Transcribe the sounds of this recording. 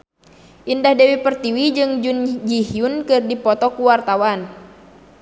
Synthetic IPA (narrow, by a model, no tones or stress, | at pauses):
ʔindahdɛwipərt̪iwid͡ʒɨŋd͡ʒund͡ʒihiunkɨrdipɔt̪ɔkuwart̪awan